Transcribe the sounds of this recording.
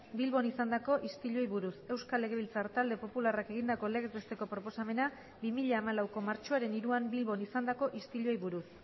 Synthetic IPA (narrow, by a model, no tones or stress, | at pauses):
bilβo̞nisand̪ako̞ʔist̪iʎo̞jβuɾuse̞wskale̞ɣ̞e̞β̞ilt͡saɾt̪ald̪e̞po̞pularake̞ɣ̞ind̪ako̞leɣezβe̞st̪e̞ko̞pɾo̞posame̞na | bimiʎaːmalawko̞maɾt͡ʃoaɾe̞niɾuambilβo̞nisand̪ako̞ʔist̪iʎo̞jβuɾus